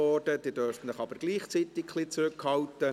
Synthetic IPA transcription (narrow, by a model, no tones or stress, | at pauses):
ɔːdəd̥iːdøɾftn̩ləχɑbəɾɡ̥liːχt͡sit̪ɪkχlit͡sɾʏkhɑltə